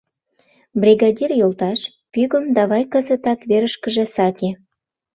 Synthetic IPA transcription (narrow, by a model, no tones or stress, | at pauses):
brʲiɣɑdʲirjolt̪ɑʃ | pyɣə̆md̪ɑβɑjkə̆zə̆t̪ɑkβeɾəʃkə̆ʒĕsɑkʲe